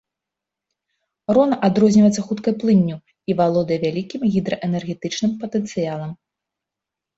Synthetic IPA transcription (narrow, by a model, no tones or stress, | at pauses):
rɔnɐʔad̪ɾɔzʲnʲivɐjɛt̪sɐxut̪kɐjplˠɨnʲːu | ivalˠɔd̪ɐjɛvʲalʲikʲimɣʲid̪ɾɐʔɛnɛrɣʲɛt̪ɨt͡ʂnɨmpɐt̪ɛnt̪sɨjalˠɐm